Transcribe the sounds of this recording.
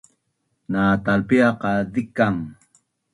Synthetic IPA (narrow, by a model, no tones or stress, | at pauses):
naːt̪alpeɑqɑd̪ɪkaŋ